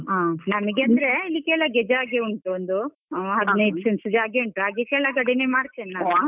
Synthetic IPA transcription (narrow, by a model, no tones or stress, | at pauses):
aːnɐmɐɡeɐnd̪ɾeilːikeːlɐɡɛd͡ʒaːɡeuɳʈuond̪u | ɦɐd̪nɐjt̪sensid͡ʒaːɡeuɳʈuɦaːɡekeːlɐɡɐɽinemaːɽt͡ʃ̪enːa